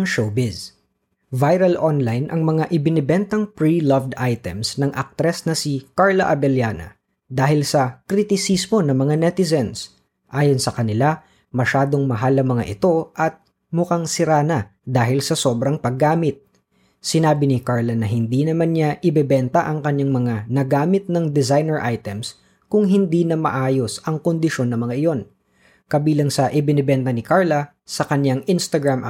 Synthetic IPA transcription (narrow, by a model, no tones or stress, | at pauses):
ŋʃobɪs | vajɾɐlʔonlajnʔɐŋmɐŋaʔɪbɪnɛbɛnt̪ɐŋpɹilɐvd̪ajt̪ɛ̰msnɐŋʔɐk̚t̪ɾɛsnɐsɪkaɹlɐʔɐbɛljaːnɐ̰ | d̪aːhɪlsɐkɾit̪ɪsismo̞nɐŋmɐŋanɛt̪ɪzɛns | ʔaːjonsɐkɐnɪla | mɐʃaːd̪o̞ŋmɐɦalɐŋmɐŋa̰ʔɪt̪o̞ʔɐt̪̚ | mʊkaŋsɪɾaːnɐd̪aːɦɪlsɐso̞ːbɾɐŋpɐɡːaːmɪt̪̚ | sɪnaːbɪnɪkaɹlɐnɐɦɪnd̪inɐmanɲaʔɪbɛbɛnt̪ɐʔɐŋkɐɲaŋmɐŋanɐɡaːmɪt̪̚nɐŋd̪ɛzajnɛɹʔajt̪ɛms | kʊŋɦɪnd̪iːnɐmɐ̰ʔaːjo̞sɐŋkond̪ɪʃo̞nːɐŋmɐŋaʔɪjo̞n | kɐbiːlɐŋsɐʔɪbɪnɛbɛnt̪ɐnɪkaɹlɐ | sɐkɐɲaŋʔɪnst̪ɐɡɹamʔɐ̰